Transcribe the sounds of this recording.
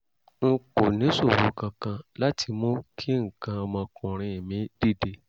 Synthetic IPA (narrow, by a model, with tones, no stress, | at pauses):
ŋ̩˦˧ko˨nĩ˨˦so˦˨wo˨˦kã˧kã˧la˦tʰi˧mõ˦kʰi˦ŋ̩˨kã˧ɔ˧mɔ̃˧kũ˨ɾ̃ĩ˧e˨mĩ˨˦d̥i˦˨de˧